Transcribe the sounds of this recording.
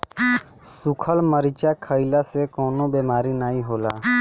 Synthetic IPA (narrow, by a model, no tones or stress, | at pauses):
sʊkʰəlməɾit͡ʃaːkʰəilasekoːnõbeːmaːɾinaːĩɦoːla̰ː